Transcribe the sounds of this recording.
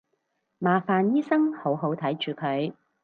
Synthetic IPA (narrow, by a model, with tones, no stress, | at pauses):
maː˨faː˨njiː˥sɐ˥ŋho˨˥wɦo˨˥wt̪ʰɐ˨˥jt͡ʃyː˨kʰɵ˨˥ɥ